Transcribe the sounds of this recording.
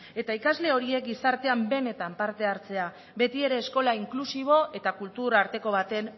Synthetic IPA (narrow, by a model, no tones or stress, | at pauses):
e̞t̪aikazle̞o̞ɾie̞k̚ɡisaɾt̪e̞ambe̞ne̞t̪ampaɾt̪e̞aɾt͡se̞a | βe̞t̪ie̞ɾe̞ːsko̞laiŋklusiβ̞o̞e̞t̪akult̪uɾaɾt̪e̞ko̞β̞at̪e̞n